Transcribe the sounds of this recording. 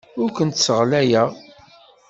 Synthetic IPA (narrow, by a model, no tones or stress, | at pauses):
ʊɾkʷənt̪səʁlæjæ